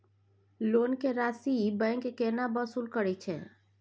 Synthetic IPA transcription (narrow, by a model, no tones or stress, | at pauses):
loːnkeɾasibə̃ŋkekenabəsuːlkəɾɛt͡ʃʰɛ̰